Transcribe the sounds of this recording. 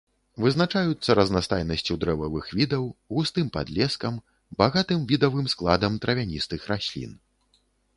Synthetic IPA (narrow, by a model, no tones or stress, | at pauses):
vɨznat͡ʂajut̪sːɐɾɐznast̪ajnɐsʲt͡sʲud̪ɾɛvɐvɨxvʲid̪ɐwɣust̪ɨmpa̰d̪lʲɛskɐm | baɣat̪ɨmvʲid̪ɐvɨmsklˠad̪ɐmt̪ɾɐvʲanʲist̪ɨxɾasʲlʲḭn